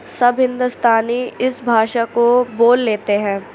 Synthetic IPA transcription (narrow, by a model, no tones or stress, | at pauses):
sɐbʱɦɪ̃nd̪ʊst̪ʰaːniɪsbʱaːʃakoboːlːeːt̪eɦɛ̃ː